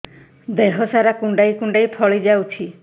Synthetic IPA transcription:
d̪eɦɔsaɾakuɳɖajkuɳɖajpʰɔɭid͡ʒawt͡ʃʰi

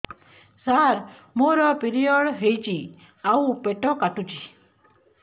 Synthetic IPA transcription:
saɾ | moɾɔpiɾiɔɽɦejt͡ʃʰi | aupeʈɔkaʈut͡ʃʰi

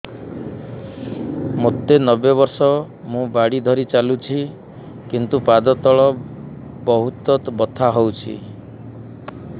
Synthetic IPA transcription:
mot̪ːenɔbebɔɾsɔ | mũbaɽid̪ʱɔɾit͡ʃalut͡ʃʰi | kint̪upad̪ɔt̪ɔɭɔ | bɔɦut̪ɔt̪bɔt̪ʰaɦowt͡ʃʰḭ

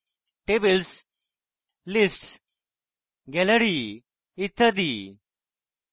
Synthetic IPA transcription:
ʈeːbəls | lɪsʈs | ɡɛləɽi | ɪt̪ʰːəd̪iː

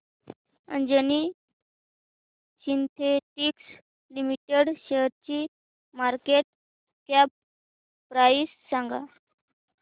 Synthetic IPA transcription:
ə̰nd͡ʑəni | ɕint̪ʰeʈiks | limiʈeɽɕeɾt͡ɕi | maɾkeʈ̚ | kja | pɾaisːãŋɡa

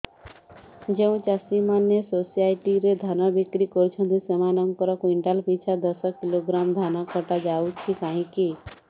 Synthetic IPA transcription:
d͡ʒeũt͡ʃasimanːesosaːɪʈiɾed̪ʱaːnabikɾikɔɾt͡ʃʰə̃nd̪usemanəmkəɾɔkɪɳʈaːlpit͡ʃʰad̪əsəkɪloɡɾaːmd̪ʱaːnakəʈad͡ʒaːut͡ʃʰikaːɦĩki

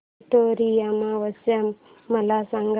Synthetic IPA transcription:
ʈoɾiamawɐsa | malasaŋɡ

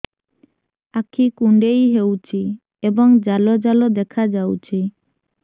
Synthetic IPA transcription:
akʰikuɳɖejɦewt͡ʃʰi | ebɔŋd͡ʒalɔd͡ʒalɔd̪ɛkʰad͡ʒawt͡ʃʰi

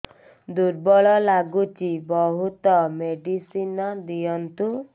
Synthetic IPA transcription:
d̪uɾbɔɭɔlaɡut͡ʃibɔɦut̪ɔmeɖisinad̪ijɔnt̪u

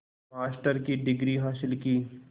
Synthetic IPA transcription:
maːsʈəɾkiɖɪɡɾiɦaːsɪlkiː

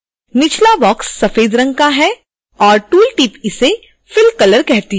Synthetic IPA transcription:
nɪt͡ʃʰlabɔːksːɐfeːd̪ɾɐ̃ŋɡkaɦɛ | ɔːɾʈuːlʈiːpɪse | fɪlkɐləɾkɛɦt̪iɦ

